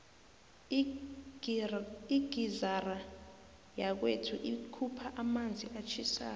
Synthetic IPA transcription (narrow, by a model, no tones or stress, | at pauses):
iɡ̥ʱizara | jak̬wetʰuʔikʰupʰaʔamand͡zʱiʔat͡ʃʰisa̰ː